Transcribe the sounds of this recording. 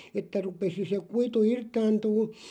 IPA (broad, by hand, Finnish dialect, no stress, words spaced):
etːæ rupesi se kuitu irtɑːntuːn̞